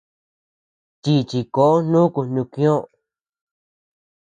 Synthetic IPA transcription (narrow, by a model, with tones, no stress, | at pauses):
t̪i˧t͡ʃi˧ko˨ʔo˦nũ˦ku˧nnũ˧kĩ˦õ˦